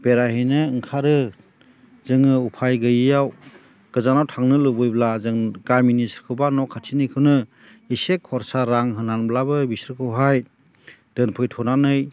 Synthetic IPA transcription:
b̥eɾahijnɯɯŋkʰaɾɯ | zɯŋɯupʰajɡɯjɯjaw | ɡ̥ɯzanawtʰaŋnɯlɯbɯjblazɯŋɡajminisɾkʰɯwbanɔkʰːatʰinijkʰɯwnɯ | isekʰːɔɾsaɾaŋɦɯnanblabɯbisɾkʰɯwɦaj | d̥ɯnpʰɯjtʰɔnanɯj

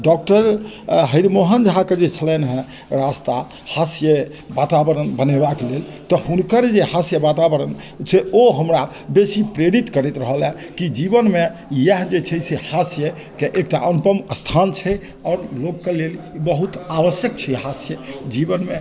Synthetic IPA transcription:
ɖɔk̚ʈəɾ | ɦəiɾmoɦənd͡ʒɦaked͡ʒet͡ʃʰəlɛnɦɛ̃ | ɾast̪a | hasjə | bat̪abəɾənbənebaklelt̪ɔɦunkəɾd͡ʒehasjəbat̪abəɾən | sʰeoɦəmɾa | besipɾeɾit̪kəɾɛt̪ɾəɦəlɛ | kid͡ʒibənmejəɦd͡ʒet͡ʃʰɛsehasjə | keʔek̚ʈaʔənupəməst̪ʰant͡ʃʰɛ | ɔːɾloɡːelelibəɦut̪aʋəsjək̚t͡ʃʰɛɦasjəd͡ʒibənme

